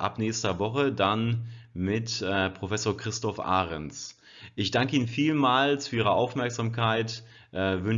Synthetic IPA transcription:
ʔa̰pnɛːçstɐvɔχədanmɪtːpʁ̥ofɛsoːɐkʁ̥ɪstɔfʔa̰ːʁɛnt͡s | ʔɪçd̥aŋkəiːnənfiːlmaːlt͡sfyːɐiːʁ̞əʔaʊfmɛɐkz̥aːmkʰaɪt | ʔɛːvʏn

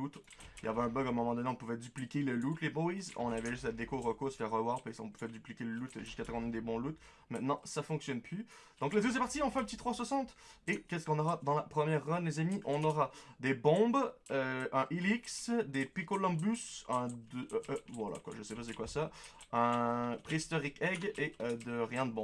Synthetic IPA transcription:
ut̪ | ilja̰vɛɛ̃bœɡɛ̃mɔmɑ̃d̪ɔneɔ̃puvɛd̪yplikʲeləlut̪lebɔizɔ̰̃navɛʒyst̪lad̪ekoʁəkosə̥fɛʁːəvwaʁpɛsɔ̰̃puvɛd̪yplikʲeləlut̪ʒyskat̪ʰɛkɔ̃nɛd̪ebɔ̃lut̪ | mɛ̃t̪nɑ̰̃safɔ̃ksjɔnpʰy | d̪̥ɔ̃kləd̪øs̬ɛpaʁt̪iɑ̃fɛ̃ɛ̃pət̪it̪χwaswasɑ̃t̪ekʲɛskɔ̃nɔʁad̪ɑ̃lapχəmjɛʁːɔnlezamiʔɔ̃nɔʁad̪ebɔ̃bøɛ̃ʔiliksd̪epikolɔ̃bysɛ̃d̪øʔʔvwa̰la̰kwa̰ʒəsɛpas̬ekwasaɛ̃pχist̪ɔʁikɛɡeød̪əʁjɛ̃d̪əbɔ̃

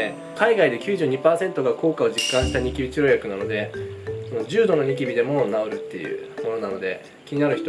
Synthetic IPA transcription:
e | kaiɡaid̪e̞kʲɨːʑɨːɲ̟ipaːse̞nt̪o̞ɡako̞ːkao̞d͡ʑikːãɰ̃ɕi̥t̪aɲ̟ikʲibʲit͡ɕiɾo̞jakɯ̟nano̞d̪e̞sonod͡ʑɨːd̪o̞no̞ɲ̟ik̬ʲibʲid̪e̞mo̞naoɾɯ̟t̪ːe̞jɯ̰ːmo̞no̞nano̞d̪e̞ | kʲiɲinaɾɯ̟çi̥t̪o

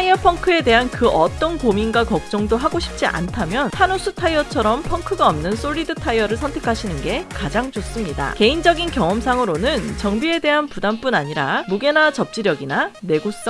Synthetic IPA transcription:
aiʌpʰʌŋkʰɯe̞de̞ɦankɯʔʌt͈ʌnkominɡwakʌk̚t͡ɕ͈ʌŋdoɦaɡoɕʰi̥p̚t͡ɕ͈iʔa̰ntʰamjʌntʰanosʰutʰaiʌt͡ɕʰʌɾʌmpʰʌŋkʰɯɡaʌmnɯns͈oɭːidɯtʰaiʌɾɯɭsʰʌntʰe̞kʰaɕʰinɯnɡe̞kad͡ʑaŋd͡ʑos͈ɯmɲida̰ke̞ind͡ʑʌɡinkjʌŋʌmsʰaŋɯɾonɯnt͡ɕʌŋbie̞de̞ɦanpudamp͈unaɲiɾamuɡe̞nat͡ɕʌp̚t͡ɕ͈iɾjʌɡinane̞ɡos͈ʌ

